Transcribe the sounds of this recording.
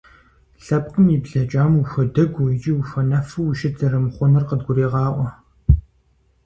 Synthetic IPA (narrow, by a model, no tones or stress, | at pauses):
ɬɐp̚qʼɨmibɮɐt͡ʃʼaːmuxʷɐdɐɡʷuit͡ʃʼiːxɐnɐfɨwʃɪd͡zɐɾɨmχʷʊnɐrqədɡʷʊɾeːʁɑːʔʷɔ